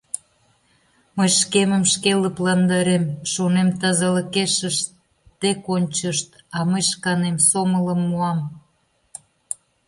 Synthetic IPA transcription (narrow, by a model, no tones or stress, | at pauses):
məjʃkeməmʃkeləplɑnd̪ɑɾemʃonemt̪ɑzɑləkeʃəʃt | t̪ekonʲt͡ɕəʃt̪ɑməjʃkɑnemsomələmːuɑm